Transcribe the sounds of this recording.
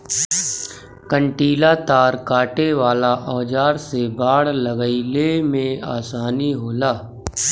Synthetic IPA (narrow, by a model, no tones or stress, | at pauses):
kə̃ɳʈiːlat̪aːɾkaːʈeʋaːlaʔɔːd͡ʒaːɾsebaːɽləɡəilemẽa̰ːsaːniɦoːlaː